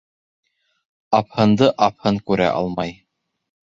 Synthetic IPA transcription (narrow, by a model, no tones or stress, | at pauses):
ɑphɤ̆nd̪ɤʔɑphɤŋkʉɾæ̰ʔɑ̰lˠmɑj